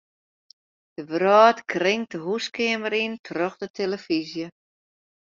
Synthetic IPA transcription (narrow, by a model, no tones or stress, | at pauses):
d̥əʋrɔːtkʰrɪŋtəɦuskɪəməɾintʰrɔxdətʰeləfizjə